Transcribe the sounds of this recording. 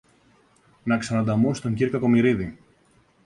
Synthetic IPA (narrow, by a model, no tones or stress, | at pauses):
nɐksɐnɐd̪ɐmost̪o̞ɲciɾkɐko̞miɾiði